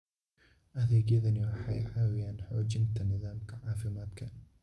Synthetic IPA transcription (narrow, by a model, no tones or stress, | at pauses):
ʔɐðɛːɣjɐðɐnɪwɑħɑ̰jʕɑːwɪjaːnħɔːt͡ʃɪnt̪ʰɐnɪðaːmkʰɐʕaːfɪmaːd̪kʰɐ